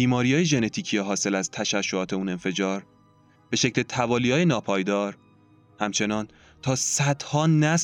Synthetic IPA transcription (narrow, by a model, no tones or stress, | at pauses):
iːmɒːɾijɒːjeʒe̞ne̞t̪ʰiːcʰijɒːɦɒːse̞læzt̪ʰæʃæʃːoɒːt̪ʰeune̞nfe̞d͡ʒɒːɾ | b̥e̞ʃecʰlet̪ʰævɒːlijɒːjenɒːpʰɒːjd̪ɒːɾ | hæmt͡ʃʰe̞nɒːn | t̪ʰɒːsæd̪̥hɒːnæs